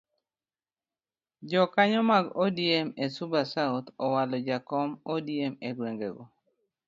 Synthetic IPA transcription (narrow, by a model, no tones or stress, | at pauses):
d͡ʒɔkaɲɔmaɡodiemesubasaut̪ɔwalɔd͡ʒakɔmodiemeɡweŋɡḛɡɔ